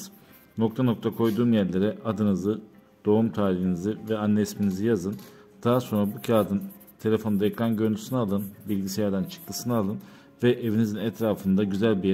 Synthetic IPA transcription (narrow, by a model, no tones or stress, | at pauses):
no̞kt̪ʰano̞k̚t̪ʰakʰo̞jd̪uːmjæɾlʲe̞ɾɛad̪ɯnɯzɯ | d̪̥o̞umt̪ʰaːɾiɦinizivɛanːɛsminizijazɯn | d̪̥aɦaso̞nɾabucʰaːd̪ɯnt̪ʰe̞lʲe̞fond̪aekɾanɟø̞ɾnd̪ʰysɯnaalˠɯnbilʲɟisejaɾd̪ænt͡ʃʰɯ̥k̚lˠɯsɯnaalˠɯn | vɛʔevinizinɛt̪ɾaːfɯnd̪aɟyzælʲbi